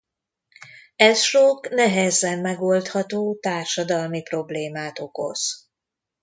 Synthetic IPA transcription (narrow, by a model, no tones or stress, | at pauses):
ɛsʃoknɛɦɛzɛmːɛɡolt̪hɒt̪oːt̪aːrʃɒd̪ɒlmipro̞bleːmaːt̪o̞ko̞̰z̥